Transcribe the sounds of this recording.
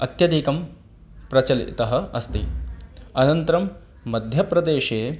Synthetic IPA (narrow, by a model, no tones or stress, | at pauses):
ɐt̪jɐd̪ikɐm | pɾɐt͡ʃɐlḭt̪ɐɦɐ̆ɐst̪i | ɐnɐnt̪ɐɾɐmː | ɐd̪ʱjɐpɾɐd̪eːʃeː